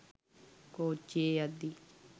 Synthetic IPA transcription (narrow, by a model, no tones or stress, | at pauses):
koːt͡ʃeːad̪iː